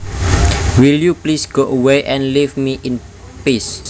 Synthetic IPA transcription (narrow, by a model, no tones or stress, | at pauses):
wiljuplisɡ̥oʔəweʔɛ̃nlivmiʔɪn | pis